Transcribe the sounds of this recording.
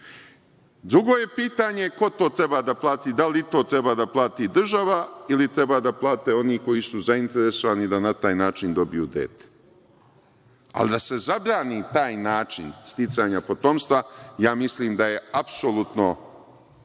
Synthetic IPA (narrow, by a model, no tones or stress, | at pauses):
d̪ɾuɡo̞ːje̞piːt̪aɲe̞ko̞t̪o̞ːt̪ɾe̞baːd̪aplˠaːt̪id̪alit̪o̞ːt̪ɾe̞baːd̪aplˠaːt̪id̪r̩ʒaʋailit̪ɾe̞baːd̪aplˠaːt̪eo̞niːko̞jisuzaint̪e̞ɾe̞so̞ʋanid̪anat̪aːjnaːt͡ʃind̪o̞bijṵd̪ḛːt̪e̥ | a̰lid̪ase̞zabɾaːnit̪aːjnaːt͡ʃḭnst̪it̪saːɲapo̞t̪o̞mst̪ʋajaːmisliːmd̪aje̞apsolut̪no̞